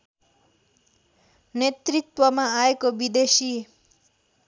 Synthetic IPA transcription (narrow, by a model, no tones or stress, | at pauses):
net̪rit̪wʌmaaekobid̪esi